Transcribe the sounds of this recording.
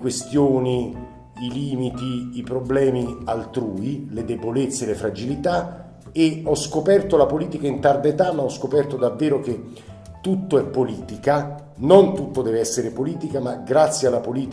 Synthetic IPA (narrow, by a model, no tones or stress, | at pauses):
kwest̪joːniː | liːmit̪iːpɾoblɛːmialt̪ɾuːiled̪ebolet̪sːelefɾad͡ʒilit̪a | eɔskopɛrt̪olapoliːt̪ikaint̪ard̪et̪amaɔskopɛrt̪od̪avːeːɾok̟e | t̪ːut̪ːoɛpːoliːt̪ika | nont̪ut̪ːod̪ɛːveɛsːeɾepoliːt̪ikamaɡɾat̪sːjealːapoliːt̪